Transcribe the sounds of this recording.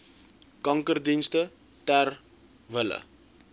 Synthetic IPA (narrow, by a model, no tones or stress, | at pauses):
kɐŋkərdinstə | tɛr | vələ̰